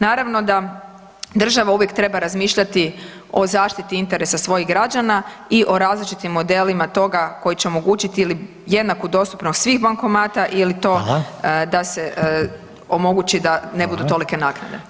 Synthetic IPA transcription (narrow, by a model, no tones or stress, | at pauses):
naːɾaʋno̞d̪a | d̪r̩ʒaʋauʋje̞kt̪ɾe̞baɾazmiːʃʎat̪i | o̞zaːʃt̪it̪iint̪eɾesasʋo̞jiɣɡɾad͡ʒana | iʔo̞ɾaːzlit͡ʃit̪imːo̞d̪e̞limat̪o̞ɡako̞jit͡ɕeo̞mo̞ɡuːt͡ʃit̪iili | je̞d̪nakud̪o̞st̪u̥pnost̪sʋiɣbaŋko̞maːt̪aʔilit̪o̞ːd̪ase | o̞mo̞ɡut͡ɕid̪ane̞bud̪ut̪o̞like̞nakna̰d̪e̞̰